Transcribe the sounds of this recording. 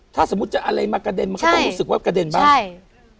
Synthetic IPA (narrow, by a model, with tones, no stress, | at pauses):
t̪ʰaː˥˩so˩˦mu˦˥t̪̚t͡ɕa˨˩ʔa˧ɾa˧jmaː˧ka˧de˧nma˧nkʰt͡ɕa˧˦ɾuː˦˥sɯ˨˩k̚waː˥˩ka˧de˧nbaː˥a˥˩j